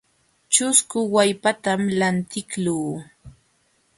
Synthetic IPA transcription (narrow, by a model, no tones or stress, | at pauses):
t͡ʃʊskʊwajpat̪amlant̪ɪkluː